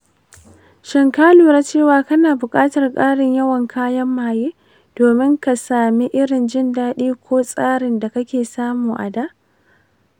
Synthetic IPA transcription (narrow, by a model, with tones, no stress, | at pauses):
ʃɪ˨ŋkaː˦luː˨ɾaː˦t͡ʃeː˦˨waː˦kɐ˦naː˨bʊ˨kʼaː˦tɐ˨rkʼaː˦ɽɪ˨ɲjɐ˦wɐ˨ŋkʰaː˦jɐ˦mːaː˨jeː˦ | d̥oː˨mɪ˦ŋka˨saː˨mi˦ʔɪ˦ɾɪ˨nd͡ʒɪ˦ndaː˦ɗiː˦kʷʰoː˦sʼaː˦ɾɪ˨nda˨kɐ˦kʲeː˨saː˦muː˨ʔa̰˨daː˦ʔ